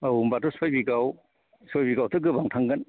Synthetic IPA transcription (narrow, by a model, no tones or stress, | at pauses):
awumbatusojbiɡaw | sojbiɡawtʰɯɡɯbaŋtʰaŋɡɯn